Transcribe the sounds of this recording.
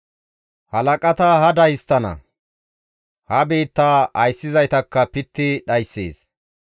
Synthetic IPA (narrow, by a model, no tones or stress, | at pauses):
hɐlɐkʼɐt̪ɐɦɐd̪ɐjɪst̪ːɐnɐ̰ | hɐbeːt̪ːaːɐjsːɪzɐjt̪ɐkːɐpɪt̪ːɪɗɐjsːḛːs